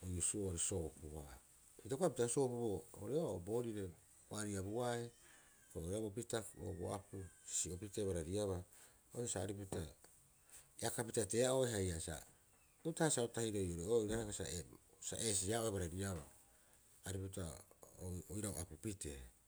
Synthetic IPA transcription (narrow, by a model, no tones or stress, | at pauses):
ojusuooɾiso̞ːpuha | pitakoapitaso̞ːpuboo̰ɾeoaobo̞ːɾiɾe̞ | waɾiabuae | koabopitao̰bo̰apusi̥siopite̞βaɾaɾiaβa | oɾesaːɾiputa | jakapitate̞ːaʔoeɦajasa̰ | utahasaotahiɾojoɾeoiɾahekasa̰ʔesa̰ʔes̬iaʔoeβaɾaɾiaβaː | ɾiputaoojɾaoʔa̰pupite